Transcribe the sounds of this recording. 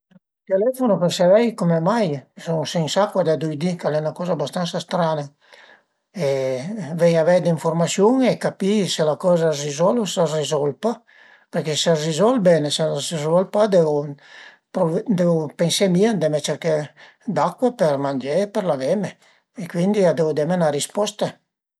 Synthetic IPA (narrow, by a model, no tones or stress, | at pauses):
t̪elɛfonopeɾseɾɛjkomemajsoŋseŋsakːwad̪ad̪ujd̪ikalɛunakɔːzabast̪ansast̪ɾana | evɛɲavɛjd̪iɱformasjuŋekapiselakɔːzarizɔlsarizɔlpa | perkeserizɔlbɛneseasezɔlpad̪eu | pɾovd̪evupensemiand̪emet͡ʃeɾke | d̪akːwapeɾmand͡ʒepɛɾlavɛme | ekwind̪iad̪evud̪ɛmenaɾispɔst̪a